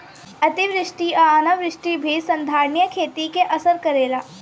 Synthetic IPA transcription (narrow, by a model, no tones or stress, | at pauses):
ɐt̪iʋɾɪʃʈiʔanɐʋɾɪʃʈibʱisɐ̃nd̪ʱaːɾnjəkʰeːt̪ikeʔɐsəɾkɐɾeːlaː